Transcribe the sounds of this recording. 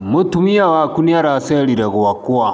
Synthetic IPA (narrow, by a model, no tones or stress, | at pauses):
mutumijawaːkunjaɾaːseɽidaɡuwakːʊwa